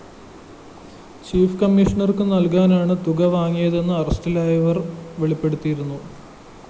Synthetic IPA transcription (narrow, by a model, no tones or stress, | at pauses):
t͡ɕiːfkɐmːiʂɐɳɐrkɨnɐlkaːnaːɳɨt̪uɣɐʋaːŋːijɐðe̞nːɨɐrɐstilaːjɐʋɐrʋeɭipːe̞ɽut̪ːijiɾunːu